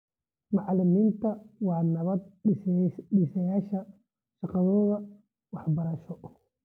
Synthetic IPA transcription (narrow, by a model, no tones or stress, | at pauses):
maʕlɪmiːnt̪ʰɐwaːnɐβɐd̪̚ | ɗisɐjaːʃɐ | ʃɐqɑðɔːðɐ | wɑħbɐɾɐʃɔ